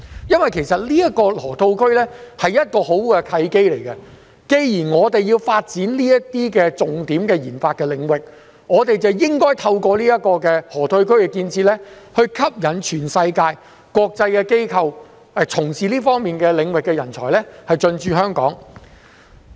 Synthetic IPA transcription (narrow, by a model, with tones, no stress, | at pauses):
jɐ˥nwɐ˨˩jkʰe˨˩sɐ˨t̚liː˥jɐ˥t̚kɔː˧lɔː˨˩t̪ʰo˧wkʰɵ˥ɥlɛː˥hɐ˨jɐ˥t̚kɔː˧ho˨˥wɛ˧kʰɐ˧jke˥jle˨˩jkɐ˧ | ke˧jjiː˨˩nŋɔː˨˧t̪e˨jjiː˧wfaː˧t̚t͡siː˨˥nliː˥jɐ˥tt̪iː˥kɛː˧t͡sʊ˨ŋt̪iː˨˥mkɛː˧jiː˨˩nfaː˧t̚kɛː˧lɪ˨˧˥ŋwɪ˨k̚ | ŋɔː˨˧t̪e˨jt͡sɐ˨wjɪ˥ŋkɔː˥jt̪ʰɐ˧wkɔː˧liː˥jɐ˥t̚kːɔː˧kɛ˧lɔː˨˩t̪ʰɵ˧wkʰɵ˥ɥkɛ˧kiː˧nt͡sʰiː˧t̚lɛ˥hɵ˧ɥkʰɐ˥p̚jɐ˨˩nt͡ʃʰyː˨˩nsɐ˧jkaː˧j | kɔː˧k̚t͡sɐ˧jkɛ˧ke˥jkʰɐ˧w | t͡sʰʊ˨˩ŋsiː˨liː˥fɔː˥ŋmiː˨nkɛ˧lɪ˨˧˥ŋwɪ˨kːɛː˧jɐ˨˩nt͡sʰɔ̰ː˨˩jlɛ˥hɐ˨jt͡sɵ˧nt͡ʃyː˨˧hœː˥ŋkɔ̰ː˨˥ŋ